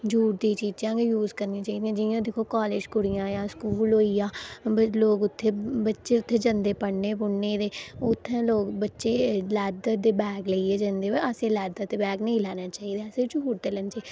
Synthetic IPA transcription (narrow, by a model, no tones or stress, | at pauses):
d͡ʒuːʈ̚d̪ĩːt͡ʃiːd͡ʒãːɡejuːzkəɾnĩːt͡ʃaːiːd̪iãːd͡ʒɪjãd̪ɪkʰoːkaːleːd͡ʒkʊɽɪjãːjãːskuːlɦoːiːãːloːɡʊt̪ʰːeːbətːʃeːʊt̪ʰːeːd͡ʒə̃nd̪eːpəɽneːpʊɽneːd̪eːʊt̪ʰːẽːloːɡbətːʃeːlɛːd̪əd̪eːbɛːɡləieːd͡ʒənd̪eːʋeəsẽːlɛːd̪ət̪eːbɛːɡnəĩːlɛːnaːt͡ʃaːiːd̪eːsẽːd͡ʒuːʈd̪eːlɛnt͡ʃːi